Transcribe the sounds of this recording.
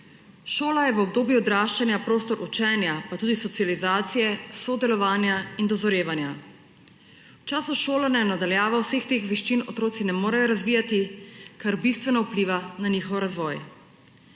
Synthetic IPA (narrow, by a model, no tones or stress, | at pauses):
ʃoːlajɛʋɔb̚d̪oːbjuɔd̪ɾaːʃt͡ʃanjapɾoːst̪ɔɾʔut͡ʃɛːnjapat̪uːd̪isɔt̪sijalizaːt̪sijɛsɔd̪ɛlɔʋaːnjaind̪ɔzɔɾeːʋanja | wt͡ʃaːsuʃoːlanɛjnad̪aljaːʋawsext̪eːxʋɛʃt͡ʃinɔt̪ɾoːt̪sinɛmoːɾajɔɾazʋiːjat̪ikaɾbist̪ʋɛnɔupliʋananiːxɔwɾazʋɔj